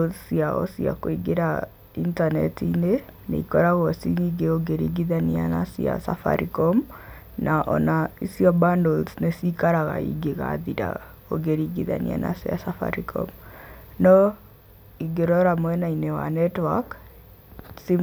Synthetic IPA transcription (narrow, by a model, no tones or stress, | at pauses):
siaɔ̰sia̰koiɡeɾa | intanɛ̰tine | nḛikɔɾaɣɔsiniɡeoɡeɾḭɡiðaniana̰sia̰sa̰fa̰ɾikɔm | nʔaʔɔnaisiɔbandɔlsnesikaɾaɣa̰ḭɡeɣa̰ðiɾa̰ | o̰ɡeɾiɡiða̰nḭa̰na̰sia̰safa̰ɾikɔ̰mnɔ | iɡeɾɔɾamwɛnainewa̰nɛtwak | si